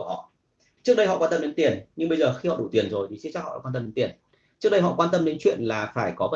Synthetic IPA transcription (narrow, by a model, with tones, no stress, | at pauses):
hɔ̰˧˨ʔ | t͡ɕɨ˦˥ək̚ɗə˧jɦɔ̰˧˨kwaː˧nt̪ə˧m˧ɗe˨˦nt̪i˨˩ənɲɨ˧ŋɓə˧jzəː˨˩xi˧hɔ̰˧˨ɗu˧˩t̪i˨˩ənzo˨˩jt̪ʰi˨˩i˧˦˥t͡ɕa˦˥khɔ̰ː˧˨˧kwaː˧nt̪ə˧mɗe˨˦nt̪i˨˩ən | t͡ɕɨ˦˥ək̚ɗə˧jɦɔ̰˧˨kwaː˧nt̪ə˧mɗe˨˦nt͡ɕwḭ˧˨ənlaː˨˩faː˧˩jkɔ˨˦və˧